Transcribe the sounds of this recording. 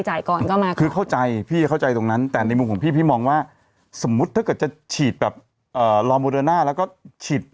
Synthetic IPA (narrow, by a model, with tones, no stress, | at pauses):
jt͡ɕaː˨˩jkɔː˨˩nkɔː˥˩maː˧kʰɯː˧kʰa˥˩wt͡ɕa˧jpʰiː˥˩kʰa˥˩wt͡ɕa˧jt̪o˧ŋna˦˥nt̪ɛː˨˩na˧jmu˧mkɔː˩˦pʰiː˥˩pʰiː˥˩mɔː˧ŋwaː˥˩ | so˩˦mːu˦˥t̪ʰːa˥˩kɤ˨˩t̪̚t͡ɕa˨˩t͡ɕʰiː˨˩t̪̚bɛː˨˩p̚ | ʔɤː˨˩lɔː˧moː˧dɤː˧naː˥˩lɛ˦˥wkɔː˥˩t͡ɕʰiː˨˩t̪̚